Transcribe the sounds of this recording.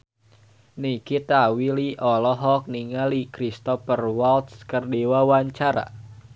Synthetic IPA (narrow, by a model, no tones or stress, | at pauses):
nikit̪awiliʔɔlɔɦɔk̚niŋalikɾist̪ɔfərwalt̪̚skərdiwawaɲt͡ʃaɾa̰